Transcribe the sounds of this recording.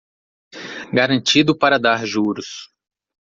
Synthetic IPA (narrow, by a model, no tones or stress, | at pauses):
ɡaɾɐ̃nt͡ʃid̪ʊpaɾɐd̪aɾʒuɾʊs